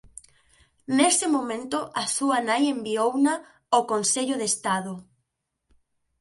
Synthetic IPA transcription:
nesɪmomẽnt̪oʔasuanajembiowna | okonseʎoðest̪aðo

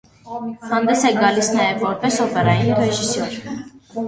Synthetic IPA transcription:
hand̪ɛsɛɡalisnɛɛpʼɔɾpɛsɔpʼɛɾainiɾɛʒisɔɾ

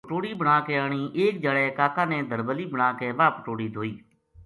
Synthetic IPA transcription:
ʈoːɽiːbəɽ̃aːkeːaːɽ̃iːʔeːk̚d͡ʒaɽɛːkaːkãːneːd̪əɾbəliːbəɽ̃aːkeːʋaːpəʈoːɽiːd̪ʱoːiː

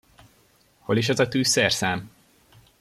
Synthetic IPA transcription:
ho̞leːʃ̬ɛzɒt̪yːsɛrsaːm

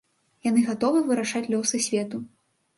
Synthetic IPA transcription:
janɨɣat̪ɔvɨvɨɾaʂat͡sʲlʲɔsɨsʲvʲɛt̪u

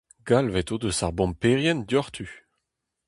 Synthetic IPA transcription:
ɡ̥alvɛt̪od̪əsaʁbɔ̃mpeʁjɛnd̪jɔʁt̪ʰy

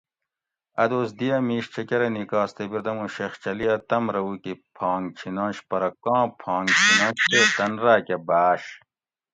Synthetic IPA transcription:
ɐd̪oːs̬d̪ijɐmiːɕt͡ɕʰɐkɐɾɐnikaːst̪ebiɾd̪ɐmũɕext͡ɕɐliɐt̪ɐmɾɐwukipʰɑ̃ːŋt͡ɕʰinãːɕpɐɾɐkːɑ̃ːpʰɑ̃ːŋɡt͡ɕʰinɑ̃ːɕt̪eːt̪ɐnɾaːkɐbaːɕ

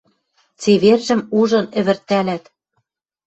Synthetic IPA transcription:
t͡seβerʒɘ̆muʒɤ̆nɘ̆βɘ̆rt̪ːælæt̪

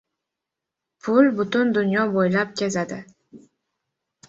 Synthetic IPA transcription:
pʰʊlbʊt̪ʊnd̪ʊnjɒbojlap̚kʲʰezad̪ɪ

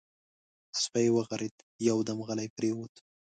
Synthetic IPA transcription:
spajwaɣaɾɪd̪ | jawd̪amɣalajpɾewut̪

